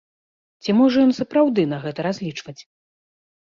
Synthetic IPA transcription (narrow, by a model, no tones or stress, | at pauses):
t͡sʲimɔʐɐjɔnsɐpɾawd̪ɨnɐɣɛt̪ɐɾazʲlʲit͡ʂvɐt͡sʲ